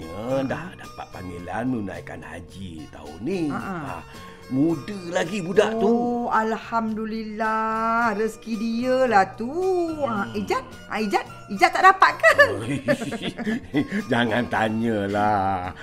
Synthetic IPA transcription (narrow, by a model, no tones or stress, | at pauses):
ədahdapa̰t̪̚paŋilanmuna̰jka̰nha̰d͡ʒḭt̪a̰ṵniaʔaa̰ | mudəlaɡibudaʔt̪ualhamdulilahrəskidiəlaht̪uaid͡ʒat̪̚ | aid͡ʒat̪̚ | id͡ʒat̪ːaʔdapat̪̚kə | d͡ʒaŋant̪aɲəla